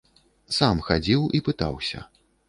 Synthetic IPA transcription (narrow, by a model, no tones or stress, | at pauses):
samxad͡zʲiwipɨt̪a̰wsʲɐ̰